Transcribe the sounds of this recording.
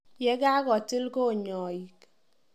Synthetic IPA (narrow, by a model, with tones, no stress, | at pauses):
jɛ˦ka˦kɔ˨ti˦lko˦˨ɲɔ˨ji˨k